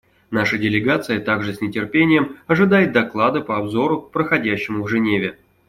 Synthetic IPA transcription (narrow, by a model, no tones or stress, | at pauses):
naʂədʲɪlʲɪɡat̪sɨjət̪aɡʐɨsʲnʲɪtʲɪrpʲenʲɪjəmɐʐɨd̪ajɪt̪̚d̪ɐklˠad̪ɨpəɐbzo̞ɾʊpɾəxɐdʲæɕːɪmʊvʐɨnʲevʲɪ